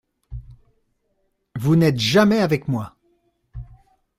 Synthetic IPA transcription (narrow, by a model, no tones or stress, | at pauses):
vunɛt̪ʒamɛavɛkmwa